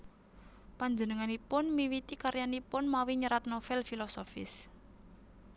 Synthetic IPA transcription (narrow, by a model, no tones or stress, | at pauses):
paɲd͡ʒənəŋanipʊnmiwit̪ikaɾjanipʊnmawiɲəɾat̪nofɛlfilɔsofɪ̰s